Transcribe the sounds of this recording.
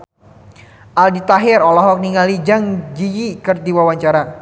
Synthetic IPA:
ʔaldit̪aɦɪrɔlɔɦɔk̚niŋalid͡ʒaŋd͡ʒijikɨrdiwawaɲt͡ʃaɾa

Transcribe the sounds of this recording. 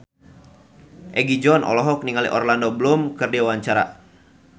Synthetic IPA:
ʔɛɡid͡ʒɔnʔɔ̰lɔɦɔk̚niŋalḭʔɔrlandɔbəlumkɨrdiawaɲt͡ʃaɾa̰

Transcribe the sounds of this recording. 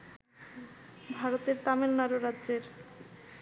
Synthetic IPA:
bʱaɾot̪eɾt̪amelnaɾoɾadːd͡ʑeɾ

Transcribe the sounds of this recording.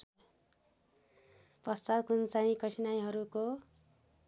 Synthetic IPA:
pʌst͡sad̪̚kʰunt͡sãĩkʌʈʰinajɦʌɾuko

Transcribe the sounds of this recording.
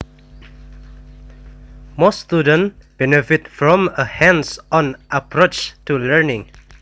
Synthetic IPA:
mɔst̪udə̃nb̥ɛnɛfɪtfɹɔ̃məhɛ̃nsʔɔ̃nʔapʰɹot͡ʃtuləɹnɪ̃ŋ

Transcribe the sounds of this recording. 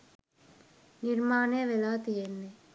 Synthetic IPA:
niɾmaːnejʋelaːt̪ijenːe

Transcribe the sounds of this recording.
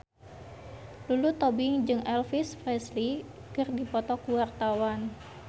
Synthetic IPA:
lulut̪ɔbɪŋd͡ʒɨŋɛlfisfrɛsli | kɨrdipɔt̪ɔkuwart̪awan

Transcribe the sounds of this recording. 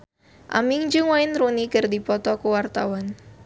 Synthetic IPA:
ʔa̰mɪŋd͡ʒɨŋwaɪnrunikɨrdipɔt̪ɔkuwart̪awan

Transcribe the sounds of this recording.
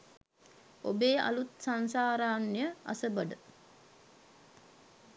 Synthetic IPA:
o̰beːa̰lut̪sansaːɾaːnjəa̰səbəɖə

